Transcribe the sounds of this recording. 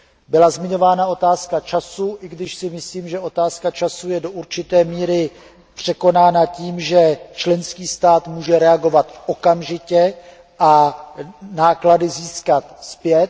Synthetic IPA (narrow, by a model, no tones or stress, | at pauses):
bɪlazmɪɲo̞vaːnaot̪aːskat͡ʃasuʔɪɡdɪʃsɪmɪsliːmʒɛʔo̞t̪aːskat͡ʃasujɛdo̞ʔuɾt͡ʃɪt̪ɛːmiːɾɪ | pr̥ɛko̞naːnaciːmʒɛt͡ʃlɛnskiːst̪aːt̪muːʒɛɾɛaɡo̞vat̪ʔo̞kamʒɪcɛ | ʔa | naːkladɪziːskat̪spjɛt̪̚